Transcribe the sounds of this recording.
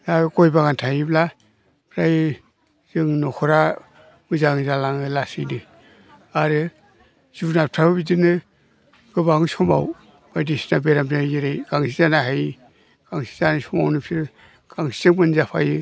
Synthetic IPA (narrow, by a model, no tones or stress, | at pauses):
jaɡɔjbaɡantʰajibla | pʰɾaj | z̥ɯŋnɔkʰɔɾa | mɯzaŋzalaŋɯlasɯ̰jnɯ | aɾɯ | zunatʰababidinɯ | ɡ̥ɯbaŋɯsɔma̰w | badisi̥nabeɾampajiɾɯjɡ̥aŋsizanaɦaj | ɡ̥aŋsi̥zanasɔma̰wnɯpʰiɾ | ɡ̥aŋsi̥zɯŋmɯnzapʰa̰jɯ